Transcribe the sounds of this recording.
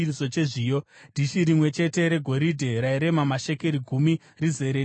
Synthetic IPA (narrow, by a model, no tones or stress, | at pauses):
iso̞t͡ʃe̞ʐiːjodʱiʃiɾimwe̞t͡ʃe̞te̞ɾe̞ɡʱo̞ɾidʱeɾaiɾe̞mamaʃe̞keɾiɡʱumi | rize̞ɾe